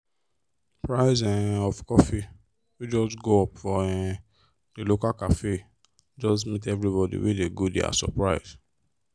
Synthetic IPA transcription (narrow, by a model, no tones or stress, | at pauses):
pɹaɪzɛ̃ɔfkɔfi | wid͡ʒɔstɡoɔpfɔɛ̃ | delokakafe | d͡ʒɔstmitɛvɹibɔdḭwḛdeɡodḛa̰sɔ̰pɹaɪs